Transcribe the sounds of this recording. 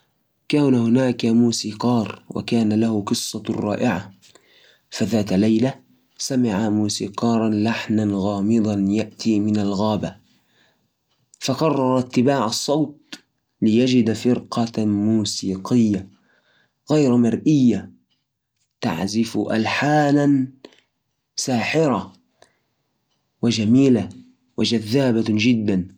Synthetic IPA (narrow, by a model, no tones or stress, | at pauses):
kaːnahʊnaːkamuːsiːqɑːɾˤwa̰kaːnalahʊqɨsˤːɑrˤːɑ̰ːʔɪʕa | faðaːt̪lajla | samɪʕamuːsiːqɑːɾˤɑnlaħnanɣɑːmɨd̪ˤɑnjaʔt̪ʰiːmɪnalɣaːba | fɑqɑrˤːɑɾˤat̪ːɪbaːʕɑsˤːɑwt̪̚ | lɪjad͡ʒɪd̪fɪɾqɑmuːsiːqɪjːa | ɣajɾmɑɾˤʔɪjːa | t̪a̰ʕzɪfʔa̰lħaːnan | saːħɪɾa | wɪd͡ʒamiːla | wɪd͡ʒaðːaːbad͡ʒɪd̪ːan